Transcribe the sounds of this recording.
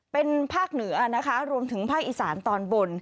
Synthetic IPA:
pe˧npʰaː˥˩k̚nɯ˩˦ɐna˦˥kʰa˦˥ɾu˧əmt̪ʰɯ˩˦ŋpʰaː˥˩k̚ʔiː˧˩sa̰ː˩˦nt̪ɔː˧nbo˧n

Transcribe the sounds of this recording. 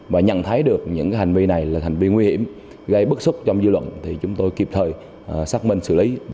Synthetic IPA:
vaː˨˩ɲə̰˧˨nt̪ʰa˨˦jɗɨ˨˩ək̚ɲɨ̰˧˥ŋkaː˨˦ɦa˨˩ŋ̟vi˧na˨˩jlaː˨˩t̪ʰa˨˩ŋ̟vi˧ŋwi˧hḭ˧˩əm | ɣə˧jɓɨ˦˥sʊ˦˥k͡p̚t͡ɕɔ˧wŋ͡mzɨ˧lwə̰˧˨nt̪ʰi˨˩t͡ɕʊ˨˦ŋ͡mt̪o˧jki˨˩p̚t̪ʰəː˨˩j | saː˦˥k̚mï˧ŋ̟sɨ˧˩li˨˦

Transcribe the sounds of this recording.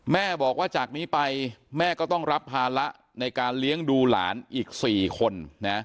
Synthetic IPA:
mɛː˥˩bɔː˨˩k̚waː˥˩t͡ɕaː˨˩k̚niː˦˥pa˧jmɛː˥˩kɔː˥˩t̪ɔ˥˩ŋɾa˦˥p̚haː˧la˦˥ʔ | na˧jkaː˧nli˦˥əŋduː˧la̰ː˩˦nʔiː˨˩k̚siː˨˩kʰo˧nna˦˥

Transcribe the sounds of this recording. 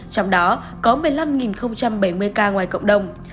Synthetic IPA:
t͡ɕɔ˧wŋ͡mɗɔ˨˦ | kɔ˨˦mɨ˧˩əjla˧mŋi˨˩nxə˧wŋ͡mt͡ɕa˧mɓə˧˩jmɨ˧əjkaː˧ŋwaː˨˩jkə̰˧˨wŋ͡mɗə˨˧˩wŋ͡m

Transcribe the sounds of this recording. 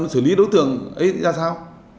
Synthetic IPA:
sɨː˧˩li˨˦ɗo˨˦wt̪ɨ̰˧˨əŋʔə˨˦jzaː˧saː˧w

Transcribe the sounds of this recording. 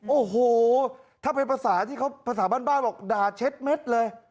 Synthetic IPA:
ʔoː˨˩ɦoː˨˩t̪ʰaː˥˩pʰe˧npʰa˧saː˩˦t̪ʰiː˥˩a˦˥wpʰa˧s̬aː˩˦baː˥˩nbaː˥˩nbɔː˨˩k̚daː˨˩t͡ɕʰe˦˥t̪̚me˦˥t̪̚lɤː˧j

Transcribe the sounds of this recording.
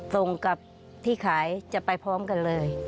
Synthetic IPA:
so˧ŋka˨˩p̚ | t̪ʰiː˥˩kʰaː˩˦jt͡ɕa˨˩pa˧jpʰɔː˦˥mka˧nlɤː˧j

